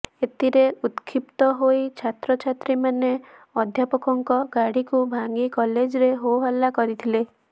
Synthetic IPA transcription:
et̪iɾeut̪kʰipt̪ɔɦoit͡ʃʰat̪ɾɔt͡ʃʰat̪ɾimaneɔd̪ʱjapɔkɔŋkɔɡaɽikubʱaŋɡikɔled͡ʒɾeɦoɦɔlːakɔɾit̪ʰile

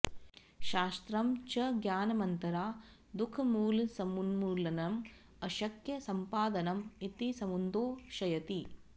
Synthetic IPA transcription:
ʃaːst̪ɾɐmt͡ʃɐɡjaːnɐmɐnt̪ɐɾaː | d̪ukʰɐmuːlsɐmunmuːlɐnɐm | ɐʃɐkjɐsɐmpaːd̪ɐnɐmit̪isɐmund̪oːʃɐjɐt̪i

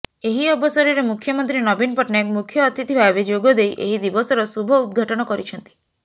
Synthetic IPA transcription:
eɦiɔbɔsɔɾiɾemukʰjɔmɔnt̪ɾinɔbinpɔʈnekmukʰjɔːt̪it̪ʰibʱabed͡ʒoɡɔd̪ejʔeɦid̪ibɔsɔɾɔsubʱɔud̪ɡʱaʈɔɽ̃ɔkɔɾit͡ʃʰɔnt̪i̥

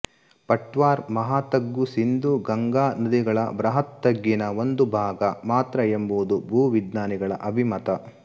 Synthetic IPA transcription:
pɐʈʋaːɾmɐɦaːt̪ɐɡːusind̪uɡɐŋɡaːnɐd̪iɡɐɭɐ̰bɾɐɦɐt̪ːɐɡːinɐʋond̪ubʱaːɡɐmaːt̪ɾɐjembuʋd̪ubʱuːʋid̪naːniɡɐɭɐ̰ʔɐbʱimɐt̪ɐ

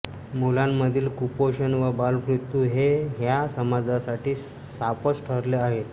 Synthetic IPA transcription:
mulamːəd̪ʱiːlkupoɕənʋəbalpɾut̪ːuɦeɦjasəmad͡zasaʈiː | sapət͡sʈʰəɾleaɦet̪

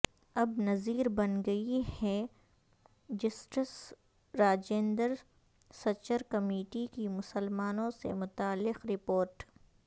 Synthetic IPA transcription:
ɐbnɐziːɾbɐnɡɐihɛ | d͡ʒɪsʈəs | ɾaːd͡ʒẽːnd̪əɾ | sɐt͡ʃəɾkɐmeːʈikimʊsəlmaːnõsḛmʊt̪aːlːɪqɾɪpoːɾʈ

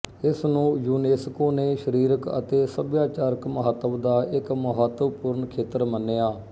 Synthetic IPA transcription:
ɪsnũːjuːneːskoːneːʃəɾiːɾəkə̰t̪eːsəbjaːt͡ʃaːɾəkməɦət̪ːəʋd̪aːʔɪkməɦət̪ːəʋpʊɾɳkʰeːt̪əɾmənːeːaː

